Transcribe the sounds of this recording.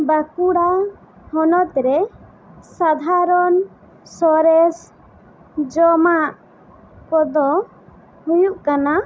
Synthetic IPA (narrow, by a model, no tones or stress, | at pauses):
bakuɽa | hɔnɔt̪ɾɛ | sad̪ʱaɾɔn | sɔɾɛs | d͡ʒɔmaʔ | kɔd̪ɔ | hujuʔkana